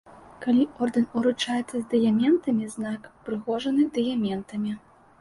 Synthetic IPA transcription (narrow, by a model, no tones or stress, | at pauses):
kalʲiɔrd̪ɨnuɾut͡ʂajɛt̪sːɐzʲd̪ɨjamʲɛnt̪ɐmʲiznakpɾɨɣɔʐɐnɨd̪ɨjamʲɛnt̪ɐmʲi